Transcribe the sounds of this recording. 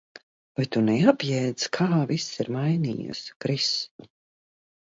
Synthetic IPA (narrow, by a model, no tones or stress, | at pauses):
vajt̪unɛapjɛːd̪zkʰaːvisiɾmajnḭːjɨ̰skɾis